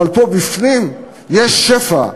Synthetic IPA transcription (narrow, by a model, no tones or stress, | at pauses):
alpobifnim | jeʃːefa̰